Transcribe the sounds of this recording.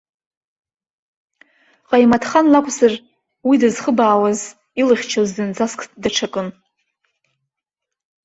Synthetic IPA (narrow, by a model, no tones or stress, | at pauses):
qʼajmatʰχanlakʷʼʰzar | widɨzχəbaːwaz | ilɨχʲt͡ʃʰazdɨnd͡zaskʼʰdaʈ͡ʂʰakʼɨn